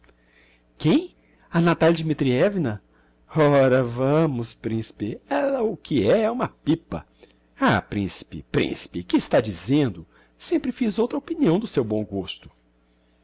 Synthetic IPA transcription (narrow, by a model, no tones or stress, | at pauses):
kẽj̃ | ɐnat̪aljɐd͡ʒimit̪ɾiɛvinɐ | ɔɾɐvɐ̃mʊspɾĩsi̥pɪɛlɐʊkɪɛɛũmɐpipɐ̰ | apɾḭ̃si̥pɪ̰pɾḭ̃si̥pɪkɪːst̪ad͡ʒizẽnd̪ʊ | sẽmpɾɪfizowt̪ɾɐopiniɐ̃w̃d̪ʊsewbõw̃ɡost̪ʊ̥